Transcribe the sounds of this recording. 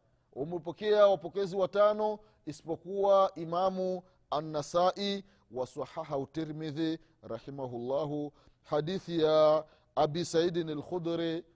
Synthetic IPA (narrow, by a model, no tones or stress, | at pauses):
umɛpɔkɛawapɔkɛziwatanɔ | isi̥pɔkuwaʔimamu | anːasaʔi | wasaħaɦautːɛɾmiði | ɾaħimaɦulːaɦu | hadiθija | abisaidinɛlxud̪ɾi